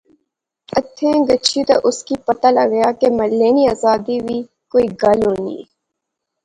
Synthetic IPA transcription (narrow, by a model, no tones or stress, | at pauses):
ɐt̪ʰːẽːɡət͡ʃʰit̪ɐʔʊskipɐt̪alɐ̰ɡɐjaːkemɐlːeːniaːzaːd̪iwi | koːiɡɐloːnḭː